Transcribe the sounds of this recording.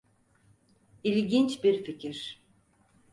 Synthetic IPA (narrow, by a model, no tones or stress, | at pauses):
ilʲɟint͡ʃbiɾficʰiɾ̥